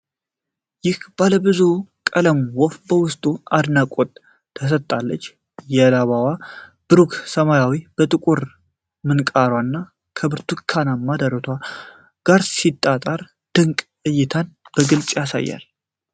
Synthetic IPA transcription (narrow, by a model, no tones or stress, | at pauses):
jɪhb̥aləbɨzukʼələmwɔfbəwʊst̪ʼuad̪nakʷʼot̪ʼ | t̪ʰːəs̬ət̪ʼːalːət͡ʃː | jɛlaβawab̥ɨɾukʰsəmajawib̥ət̪ʼɨkʼuɾ | mɨnkʼaɾwanːa | kʰəbɨɾt̪ʰukʰːanamːad̪əɾət̪ʰʷa | ɡ̥aɾsit̪ʼːat̪ʼaɾ | d̪̥ɨŋkʼ | ɨjːɪt̪ʰanb̥əɡɨlt͡ʃʼjasa̰jːa̰l